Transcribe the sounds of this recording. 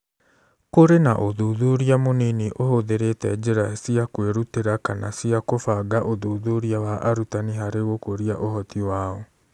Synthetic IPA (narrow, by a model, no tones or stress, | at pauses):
koɾena̰ʔoðoðoɾiamoniniʔohoðeɾetɛd͡ʒeɾasiakweɾuteɾakanasiakofaɡaʔoðoːðoɾiawaʔaɾutaniɦaɾeɣokoɾiaʔohɔtiwaːɔ